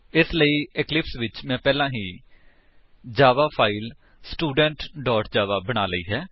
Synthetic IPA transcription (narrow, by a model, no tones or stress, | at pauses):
ɪsləiːɪklɪpsʋɪt͡ʃmɛ̃ːpɛːlãːɦiː | d͡ʒaːʋaːpʰaːil | sʈuːɖəɳʈɖɔːʈd͡ʒaːʋaːbəɽ̃aːləḭːɦɛː